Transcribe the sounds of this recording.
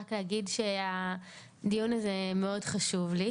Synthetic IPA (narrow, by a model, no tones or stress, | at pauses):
akleaɡidʃe̞a | dijunazeme̞o̞dχaʃuvli